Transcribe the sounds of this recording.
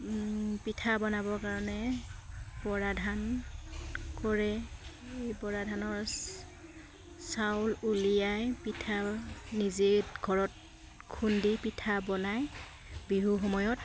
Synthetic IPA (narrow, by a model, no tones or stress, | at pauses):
pitʰabɔnabɔkaɹɔnɛ | bɔɹadʱan | kɔɹɛejbɔɹadʱanɔɹ | sawlulijajpitʰanizeɡʱɔɹɔt̚ | kʰundipitʰabɔnaj | biɦuxɔmɔjɔt̚